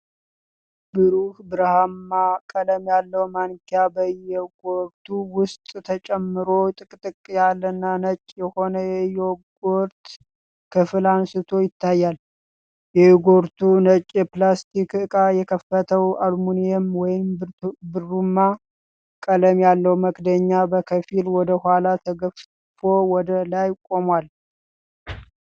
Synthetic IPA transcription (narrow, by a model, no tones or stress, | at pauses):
b̥ɨɾuhbɨɾhamːakʼələmjalːəwmankjabəjːɛɡoɾt̪ʰuwʊst̪ʼt̪ʰət͡ʃʼɛmːɨɾo̞t̪ʼɨkʼt̪ʼɨkʼjalːənːanət͡ʃʼːjɛho̞nəjɛjːɛɡoɾt̪ | kʰɨfɨlansɨt̪ʰo̞jɪt̪ʰːajːal | jɛɡo̞ɾt̪ʰunət͡ʃʼɛplast̪ʰikɨkʼajɛkʰəfːət̪ʰəwalmunijɛmwɔjɪmbɨɾːumːa | kʼələmjalːəwməkd̪əɲːabəkʰəfilwɔd̪əhalat̪ʰəɡəf | fo̞wɔd̪əlajkʼo̞mwal